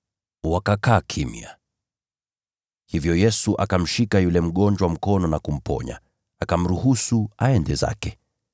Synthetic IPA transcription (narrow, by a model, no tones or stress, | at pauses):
wakakaːkʰimḭa̰ | hivjɔjɛsuʔakam̩ʃikajulɛm̩ɠɔnd͡ʒwam̩kɔnɔnakum̩pɔ̰ɲa̰ | akam̩ɾuhusuaɛndɛza̰kɛ